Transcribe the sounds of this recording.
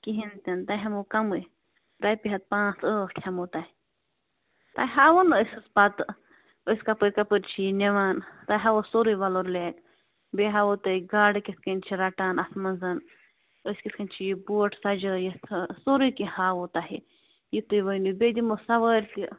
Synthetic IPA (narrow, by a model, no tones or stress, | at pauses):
kiɦint̪ʲɐnt̪aɦɐmukɐmɨ | ɾaːjpʲiɦɐt̪̚pãːt͡səːʈʰɐmot̪ahi | t̪aɦaːʋɐnəsɨspɐt̪ | əskɐpəɾʲkɐpɨɾʲt͡ʃʰiinʲeʋaːnt̪aɦɐʋosoɾujʋɐloɾleːk | beɦaʋot̪ɐiɡaːɖkʲiskɐnʲt͡ʃʰiɾaʈaːnɐsmɐnzɐn | əskʲiskɐnʲt͡ʃʰijibuːʈʰsɐd͡ʒɨjisoɾujkihaːʋot̪aɦi | jit̪ujʋəjnubʲed̪imosɐʋəːɾʲki